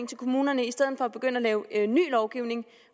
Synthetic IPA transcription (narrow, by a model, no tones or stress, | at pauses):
ŋt͡sʰe̝lkʰo̝muːnɐnəisd̥eð̞̰ð̩ˠfɒ̽æb̥e̝ɡ̥øn̰əælɛːʊny̰ːlɒʊɡ̥iʊne̝ŋ